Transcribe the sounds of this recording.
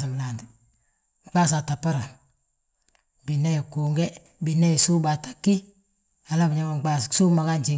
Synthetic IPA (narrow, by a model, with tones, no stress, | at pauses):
si˨m˨la˨ndi˨ | k͡pa˦s̬a˨ta˨pːa˦ɾa˨ | bi˨nːe˦ji˨kuː˨ŋɡɛ˦ | bi˨ne˦ji˨su˦ba˨tḁ˦kːi˦ | a˨la˦bɲa˦ma˨ɡ͡ba˦ssu˦ma˨ka˦nt͡ʃi˨